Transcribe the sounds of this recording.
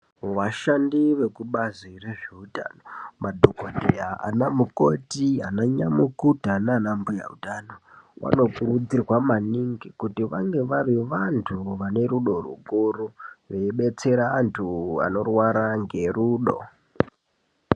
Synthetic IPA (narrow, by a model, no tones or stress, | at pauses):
ʋaʃandiʋe̞kuɓazire̞ʐeuta̰nomadʱokodʱijaa̰namukotiɦanaɲamukudʱanaːnambuja̰ṵtanowa̰no̞kurud͡zirwamaniŋɡikutiʋaŋɡe̞ʋaɾiʋantʰuʋane̞ɾuɗo̞rṵkuruʋeiɓe̞t͡se̞ɾaːntʰua̰no̞rwaɾaŋɡe̞ruːɗo̰